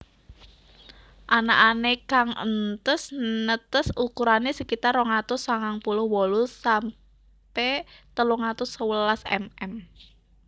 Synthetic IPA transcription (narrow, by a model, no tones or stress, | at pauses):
ʔanaʔanekaŋə̰nt̪əsnət̪əsukuɾanesəkit̪aroŋat̪ʊsaŋaŋpulʊhwɔlusam | pet̪əluŋat̪ʊsəwəlasɛ̰mɛm